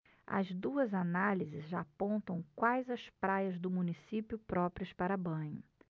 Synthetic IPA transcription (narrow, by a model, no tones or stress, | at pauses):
ɐ̰zd̪uɐzanalizɪzʒaːpõnt̪ɐ̃w̃kwajzɐspɾajɐzd̪ʊmũnisipjʊpɾɔpɾiɐspaɾɐbɐ̃ɲʊ